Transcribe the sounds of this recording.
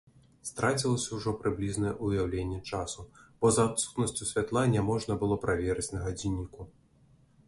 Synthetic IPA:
st̪ɾat͡sʲilˠɐsʲɐwʐɔpɾɨblʲiznɐɛʔujawlʲenʲːɛt͡ʂasub̥ɔzat̪su̥t̪nɐsʲt͡sʲusʲvʲat̪lˠanʲɛmɔʐnɐbɨlˠɔpɾavʲɛɾɨt͡sʲnɐɣad͡zʲinʲːiku

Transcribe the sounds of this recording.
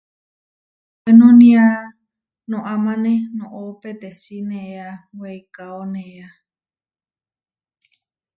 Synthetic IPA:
wenũnĩa | nõʔamãnẽnõʔopet̪esinẽʔeaweikaonẽea

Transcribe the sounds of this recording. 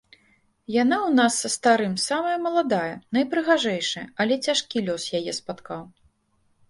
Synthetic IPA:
janawnasːɐst̪aɾɨmsamɐjɛmɐlˠad̪ajɛnɐjpɾɨɣaʐɛjʂɨjɐ̰ɐlʲɛt͡sʲaʂkʲilʲɔsjajɛspat̪kaw

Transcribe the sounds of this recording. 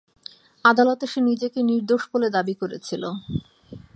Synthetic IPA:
ad̪alot̪eʃenid͡ʑekeniɾd̪oʃboled̪abikoɾḛt͡ɕʰilo

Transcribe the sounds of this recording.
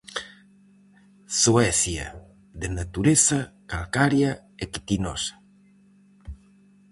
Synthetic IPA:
suɛsja̰ | ðenat̪uɾesakalkaɾja | ekit̪inosḁ

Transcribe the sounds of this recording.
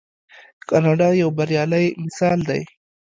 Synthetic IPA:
kɑnɑɖɑjawbɐɾjɑlajmɪsɑld̪aj

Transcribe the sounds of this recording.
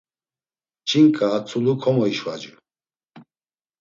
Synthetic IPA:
t͡ʃʰiŋkʼaːt͡sʰulukʰɔmɔiʃwa̰d͡ʒu

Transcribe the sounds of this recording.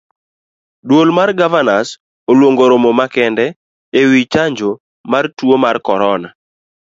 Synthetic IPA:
dwolmarɡavanas | olwoŋɡoɾomomakɛndɛ | ewit͡ʃaɲd͡ʒo | martwomarkɔɾɔna

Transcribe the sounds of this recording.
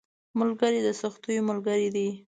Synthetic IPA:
mʊlɡəɾid̪əsʊxt̪ujomʊlɡəɾid̪i

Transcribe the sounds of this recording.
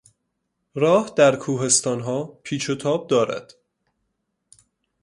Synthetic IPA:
ɾɒːhd̪̥æɾkʰuːɦe̞st̪ɒːnɦɒːpʰiːt͡ʃʰot̪ʰɒːb̚d̪ɒːɾæ̰d̪̥

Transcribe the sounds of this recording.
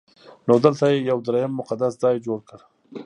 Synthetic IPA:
nod̪əlt̪ajejawd̪ɾajamːʊqad̪aszɑjd͡ʒoɽkəɽ

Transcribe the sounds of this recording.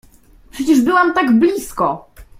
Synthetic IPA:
pʂɛt͡ɕɛʐbɘwamt̪aɡblʲiskɔ

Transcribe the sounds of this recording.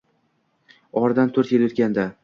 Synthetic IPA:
ɒɾd̪ant̪ʰɵɾt̪jelʊt̪̚ɡʲand̪a

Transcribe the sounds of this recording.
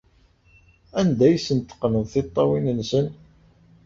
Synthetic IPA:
ænd̪æjsənt̪ːə̥qːnəðˤθɪt̪ˤːɑwinənsən

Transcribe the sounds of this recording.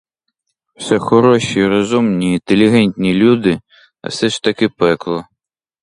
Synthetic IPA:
w̥sɛxɔɾɔʃiɾɔzumnʲiint̪elʲiɦɛnʲtʲnʲilʲud̪ɪ | ɐ̰sɛʃt̪ɐkɪpɛklˠɔ

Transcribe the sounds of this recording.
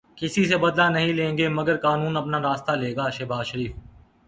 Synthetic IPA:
kɪsisebɐd̪lanɐɦĩlẽːŋɡeːmɐɡəɾkaːnuːnɐpnaːɾaːst̪aleːɡaːʃɐbaːzʃəɾiːf

